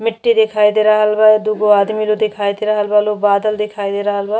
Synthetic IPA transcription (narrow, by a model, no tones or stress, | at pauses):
mɪʈːid̪ekʰaːjd̪eɾɐɦəlbad̪uɡoaːd̪milod̪ekʰaːjd̪eɾɐɦəlbalobaːd̪əld̪ekʰaːid̪eɾɐɦəlba